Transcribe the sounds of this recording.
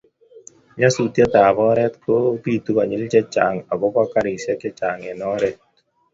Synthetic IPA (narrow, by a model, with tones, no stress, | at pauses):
ɲa˦sut̪ja˦t̪aː˨bɔ˦ɾɛ˦t̪kʰopi˦t̪u˦ka˨ɲɪ˦lt͡ʃɛ˦t͡ʃa˨ŋa˨ɡɔ˦ka˦kaɾi˨sja˦kɛ˦t͡ʃa˨ŋɛ˨nɔ˦ɾɛt̪̚